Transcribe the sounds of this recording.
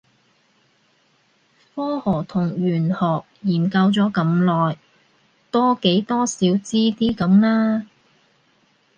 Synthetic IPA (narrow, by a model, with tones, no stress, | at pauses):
fɔː˥hɔː˨˩t̪ʰʊ˨˩ŋɥyː˨˩nhɔː˨k̚jiː˨˩nkɐ˧wt͡sɔː˨˥kɐ˨˥mlɔː˨j | t̪ɔː˥ke˨˥jt̪ɔː˥siː˨˥wt͡siː˥t̪iː˥kɐ˨˥mlaː˥